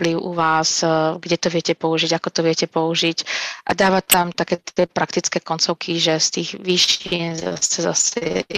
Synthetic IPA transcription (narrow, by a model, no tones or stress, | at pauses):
pliʊʔuʋaːzɡɟɛt̪ɔʋɪɛcɛpɔuʒiɟakɔt̪ɔʋɪɛcɛpɔuʒiɟʔa̰d̪aːʋat̪amt̪akɛːt̪ɪɛpɾʔakt̪it͡skɛːkɔnt͡sɔʊkʰiʒɛst̪iːɣʋiʃinza̰sɛza̰sɛ